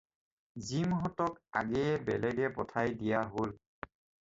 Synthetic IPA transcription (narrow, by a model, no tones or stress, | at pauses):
zimɦɔtɔka̰ɡɛbɛlɛɡɛpɔtʰajdijaɦol